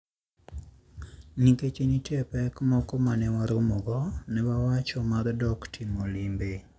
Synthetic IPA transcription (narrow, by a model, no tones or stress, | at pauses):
niket͡ʃenitɛpɛkmɔkɔmanɛwaɾomoɡɔnɛbawat͡ʃɔmardɔktʰimolimbe